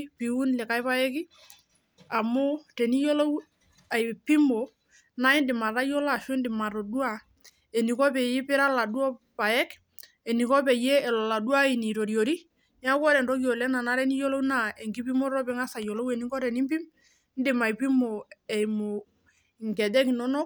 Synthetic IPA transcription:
pi˨u˦nlɛ˨ka˦jpa˦ɛ˦ki˦ | a˨mo˦tɛ˨ni˦jo˦lo˦w | a˨jpi˦mo˨ | na˦i˦ndɪ˨ma˨ɾa˦jɔ˦la˨ʃɛ˦ndɪ˨ma˨ɾo˨du˦a˨ | e˨ni˨kɔ˦pɛ˨ji˦pɪ˦ɾa˦la˨du˦ɔ˦ | pa˨ɛ˦k | ɛ˨ni˨kɔ˦pɛ˨jɛː˦˨lɔ˨la˨du˦a˦i˨ni˨ɾo˨ɾjo˨ɾi˦ | ɲ˦a˦kɔ˦ɾɛ˨n˨ɾɔ˦kjɔ˨lɛ˦na˨na˦ɾɛ˦ni˦jo˦lo˦wna˦˨ɛ˨ŋɡi˦pi˦mo˦ɾɔ˦pɛ˨˦ŋa˦sa˨jo˨lo˦wɛ˨ni˦ɡɔ˦ɾɛ˨ni˦mpi˦m | n˦dɪ˨ma˨i˨pi˦mo˨ɛ˨jmo˨ | ŋɡɛ˨dɛ˦ki˨nɔ˦nɔ˦k

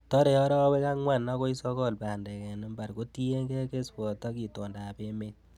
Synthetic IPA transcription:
tɔ˦ɾe˨ɔ˦ɾɔ˦we˦ka˦ŋwa˦˨na˦ko˦i˦sɔ˦kɔ˦˨lpa˨ndɛ˨kɛ˨ni˦mba˨ɾko˦ti˦je˦ŋɡe˦ke˦spɔ˨tɔ˦ki˨tɔ˨nda˨pe˦me˦t̚

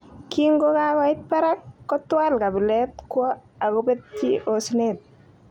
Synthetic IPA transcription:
ki˦ŋɡo˦kakɔ˦ɪ˦t̚pa˦ɾa˦kːɔ˦twa˦lka˨bi˨lɛ˦tkwɔ˦a˨ko˦pe˦tti˦ʔo˨snet̚

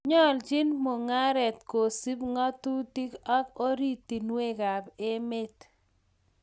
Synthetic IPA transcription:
ɲɔ˦˨ld͡ʒi˦nmʊ˨ŋa˦ɾɛ˨t̪ko˨si˦bŋɔ˦tu˦ti˦kɔ˦ko˦ɾi˦t̪i˨nwe˦ka˨be˦me˦t

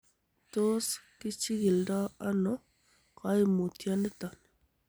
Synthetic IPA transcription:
to˦ski˦t͡ʃi˦ɡi˨lda˦a˦nɔ˦ | ka˦i˦mo˨tja˦ne˦t̪a˨n˨

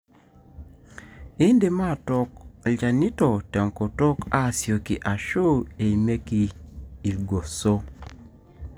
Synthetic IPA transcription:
e˦nde˨ma˦˨tɔ˨kld͡ʒa˨ni˦tɔ˨tɛ˨ŋko˨tɔ˦ka˦˨sjo˨ki˨ʔa˨ʃo˦e˨i˨me˦ki˨i˨lɡo˨so˦

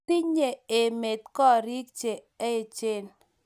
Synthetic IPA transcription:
i˦ɲe˨e˨me˨t̪̚kɔ˦ɾi˦k̚t͡ʃe˨ | e˦˨t͡ʃe˦n

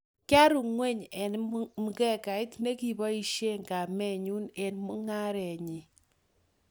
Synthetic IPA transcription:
kja˦ɾu˨ŋwe˦˨ɲɛ˨nmu˨kɛ˦˨ka˨ɪ˦tne˦ki˨bɔ˦i˦˨ʃe˦ŋka˨mɛ˦˨ɲu˦ne˨nmu˦ŋa˦ɾɛ˨ɲi˨

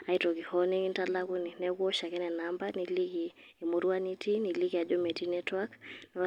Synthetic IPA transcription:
a˨itɔ˨ki˨hɔni˦ŋi˦ntalaku˦ni˨nɛkɔ˦ʃa˨kɛ˦nɛ˨nambaniliki˨ | e˨mo˨ɾu˦a˦niti˦ni˨liki˨ja˨d͡ʒɔ˦mɛ˨ti˦nɛtwakn

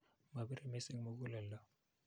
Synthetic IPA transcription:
ma˨bi˦ɾi˨mɛ˦se˦ŋmo˦ku˦lɛ˨lːa˦

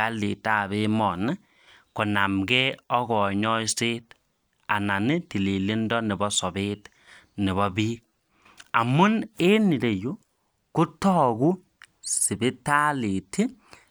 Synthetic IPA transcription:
a˦li˨ta˦˨βe˦mɔ˨nɪ˦ | kɔ˨na˨mɡɛ˦ɔ˦ɣɔ˨ɲɔ˦jse˦t | a˨na˨ni˦ti˨li˨li˦ndɔ˦nɪ˨bɔ˦sɔ˨be˦t | nɪ˨βɔ˦bi˦k̚ | a˨mʊ˦ne˦ni˨ɾe˨ju˦ | kʊ˦tɔ˦ɡu˦ | sɪ˨bɪ˦ta˦li˨ti˦

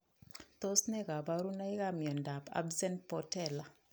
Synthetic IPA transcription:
t̪o˦snɛ˦ka˨ba˦ɾu˦na˦i˦ka˦mjɔ˨nda˨pa̰˦bsɛ˦nt̚pɔ˨tɛ˦˨la˨

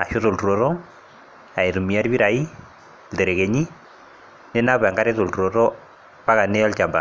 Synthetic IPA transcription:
a̰˨ʃo˦to˨ltu˨ɾo˨tɔ˦ | a˨e˨tu˨mi˨a˦ɾbi˦ɾa˨i˦ | lde˨ɾe˨ke˨ɲi˦ | ne˦na˦pa˨ŋɡa˦ɾɪ˦to˨ltu˨ɾo˨tɔ˦ | pa˦ka˨nɛ˦a˦lt͡ʃa˨mba̰˨

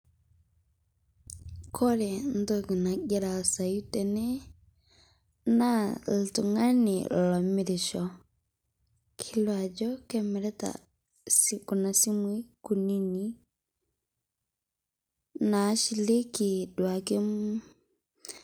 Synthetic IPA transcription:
kʰɔ˦ɾɛ˨n̩˦dɔ˦ɡi˨na˨ɡɛ˦ɾa˨sa˨ju˦tɛ˨nɛ˦ | na˦ltu˨ŋa˦nḭ˨lɔ˨mɪ˨ɾi˨ʃɔ˨ | kʰi˦lwa˨d͡ʒɔ˦kɛ˦mɛ˨ɾɛ˦ta̰˨ | siku˨na˨si˦mu˦i˦ku˨ni˦ni˦ | na˨˦ʃi˦le˦ki˨dwa˨ke˦m˦

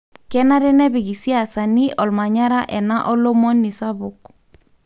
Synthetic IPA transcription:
kɛ˦na˦ɾɛ˦nɛ˦bi˨ɡi˨si˦a˨sa˨ni˦ʔɔ˨lma˨ɲa˦ɾa˦ʔɛ˨na˦ʔɔ˦lo˦mo˦nːi˨sa˦bu˨k

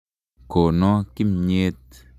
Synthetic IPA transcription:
ko˨nɔ˦ki˦˨mɲe˧t̪̚

